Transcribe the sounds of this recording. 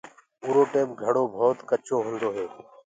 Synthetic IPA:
uːɾoːʈeːpɡʱəɽoːbʱoːt̪kət͡ʃoːɦʊ̃nd̪oːɦeː

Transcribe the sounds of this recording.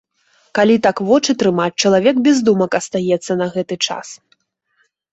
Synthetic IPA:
kalʲit̪akvɔt͡ʂɨt̪ɾɨmat͡sʲt͡ʂɐlˠavʲɛkbʲɛzd̪umɐkɐst̪ajɛt̪sːɐnɐɣɛt̪ɨt͡ʂa̰s

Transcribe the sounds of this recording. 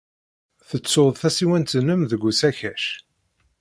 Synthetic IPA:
θət͡sːoðˤθæsiwænt̪ənəmðəɡʷːusæçæʃ

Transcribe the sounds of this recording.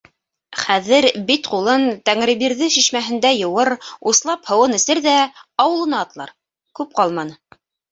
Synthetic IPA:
χæðɘɾbit̪qulˠɤnt̪æŋɾɘ̆βiɾðɘʃiʃmæɦɘ̆nd̪æjɤ̆wɤɾuslˠɑphɤ̆wɤnɘ̆sɘɾðæɑwɤ̆lˠɤ̆nɑːt̪lˠɑ̰ɾ | kʉp̚qɑlˠmɑnɤ

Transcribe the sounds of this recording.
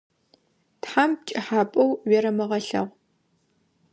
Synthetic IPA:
tħamt͡ʃʼɪħaːpʼɐwɥɛɾɐmɐʁɐɬɐ̰ʁʷ

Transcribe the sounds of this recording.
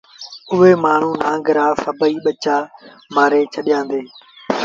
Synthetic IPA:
ʊɦeːmaːɳ̤ũːnãːɡəɾaːfəbəiːɓət͡ʃaː | maːɾeːt͡ʃʰəɗjãːnd̪eː

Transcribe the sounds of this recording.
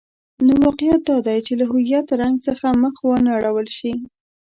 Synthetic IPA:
nowɑqɪjat̪̚d̪ɑd̪ajt͡ʃelaɦʊjat̪ɾaŋɡsəxaməxwənaaɽawəlʃi

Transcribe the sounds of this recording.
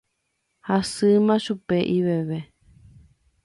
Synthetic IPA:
hasɨmãʃupeʔiβeβe

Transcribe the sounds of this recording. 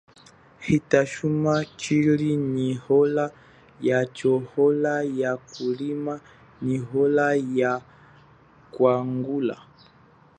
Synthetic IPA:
hitaʃumat͡ʃilinihɔla | jat͡ʃɔhɔlajakulima | niɦɔlaja | kwaŋɡula̰

